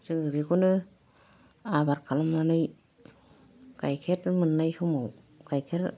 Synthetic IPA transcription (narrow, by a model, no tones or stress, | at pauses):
sɯŋɯbikunɯ | abaɾkʰalamnanɯj | kajkʰeɾmɯnːajsumow | kajkʰeɾ